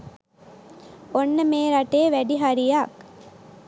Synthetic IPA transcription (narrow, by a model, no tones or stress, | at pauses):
onːəmeːɾaʈeːʋæɖiɦaɾijak